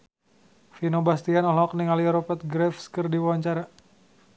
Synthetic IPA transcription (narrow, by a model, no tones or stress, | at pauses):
finobast̪ianɔlɔkniŋaliɾɔpɛt̪̚ɡɾɛfskərdiwawaɲt͡ʃaɾa